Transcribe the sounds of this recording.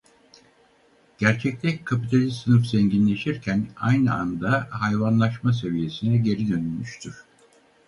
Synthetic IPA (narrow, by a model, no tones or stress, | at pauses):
ɟ̥æɾt͡ʃʰɛc̚t̪ʰɛckʰːapit̪ʰalʲisɯnɯfz̥ɛɲɟinlʲe̞ʃiɾcʰæna̰jnɯand̪aɦajvanlˠaʃmas̬e̞vije̞sinɛɟe̞ɾid̪ø̞nylʲmyʃt̪ʰyɾ̥